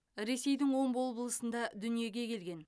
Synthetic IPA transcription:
ɾe̞se̞jd̪ɪŋwo̞mbolˠbəlˠəsənd̪ɑd̪ʏnije̞ɡʲe̞kʲʰe̞lɡʲe̞n

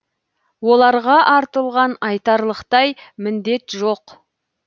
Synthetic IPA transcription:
wo̞lˠɑɾʁɑʔɑɾt̪əlˠʁɑnɑjt̪ɑɾlˠəqt̪ɑjmɪnd̪e̞t̪ʒo̞q

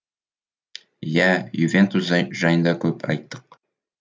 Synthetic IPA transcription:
jæjuvʲent̪usʒɑjənd̪ɑkʉpʰɑ̰jt̪ːɤ̥q̚

